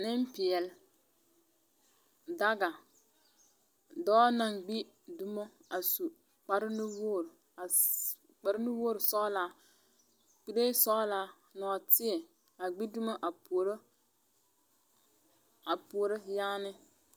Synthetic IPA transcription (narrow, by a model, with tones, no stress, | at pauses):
nɪ˦m˦pɪ˨ɛ˨l | da˦ɡa˨ | dɔː˦na˨ŋɡ͡bi˦ | dʊ˦mɔ˦a˨su˨ | k͡pa˨ɾɪ˦nɪ˦woː˦˨ɾ | a˨ | k͡pa˨ɾɪ˦nɪ˦woː˦˨ɾsɔ˦ʔla˦ | k͡pi˦ɾe˦sɔ˦laː˦ | nɔ˨tɪ˦ɛ˨ | a˨ɡ͡bi˦dʊ˦ma˦ʔa˨pu˨˦ɾ | a˨pu˨˦ɾɪ˦jaː˦nɪ˦